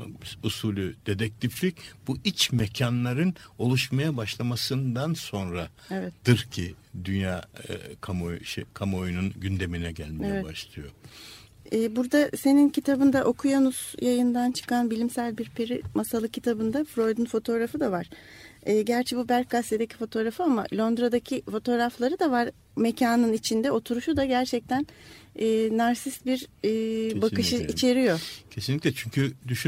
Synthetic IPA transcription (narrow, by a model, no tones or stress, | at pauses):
usulʲud̪̥e̞d̪ɛc̚t̪ʰiflʲic̚b̥uʔit͡ʃmecʰanlˠaɾɯno̞lˠuʃmajabaʃlˠamasɯnd̪anso̞nɾa | evɛt̪d̪̥ɯɾcʰid̪ynjaːkʰamojʃɛkʰamojununɟynd̪e̞minɛɟælʲmejɛbaʃlˠɯjo̞ | ɛːbuɾd̪ase̞nincʰit̪ʰabɯnd̪aʔo̞kʰujanuzjajɯnd̪ant͡ʃʰɯ̥kʰanbilʲimsælʲbiɾpʰeɾimasalˠɯcʰit̪ʰabɯnd̪afɾo̞jd̪ynfo̞t̪ʰo̞ɾafɯd̪avaɾ̥ɯːɟæɾt͡ʃʰɛbubæɾk̚ɡast̪ed̪ecʰi̥fo̞t̪ʰo̞ɾafɯama̰lʲo̞nd̪ɾad̪acʰifo̞t̪ʰo̞ːɾaflˠaɾɯd̪avaɾ | me̞cʰaːnɯnit͡ʃʰind̪ɛo̞t̪ʰuɾuʃud̪aɟæɾt͡ʃʰɛc̚t̪ʰænɛːnaɾsisbiɾː | bakɯʃɯit͡ʃʰe̞ɾijo̞cʰesinlʲiclʲɛt͡ʃʰyɲcʰyd̪yʃy